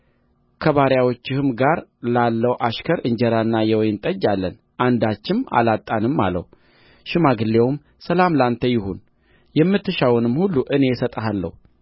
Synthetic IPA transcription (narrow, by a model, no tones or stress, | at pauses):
kʰəβaɾjawot͡ʃːɪhɨmɡaɾlalːəwʔaʃkʰəɾɨɲd͡ʒɛɾanːajɛwɔjnt̪ʼəd͡ʒːalːən | ʔand̪at͡ʃːɪma̰lat̪ʼːanɨmːa̰lə̰hu | ʃɪmaɡɨlːe̞wm | səlamlant̪ʰəjɪɦun | jɛmːɨt̪ʰːɨʃawʊnɨmhulːuʔɨne̞sət̪ʼəɦalːə̰hu